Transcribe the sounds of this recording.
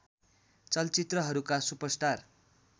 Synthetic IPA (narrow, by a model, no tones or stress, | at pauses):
t͡sʌlt͡sit̪rʌɦʌɾukasupʌsʈar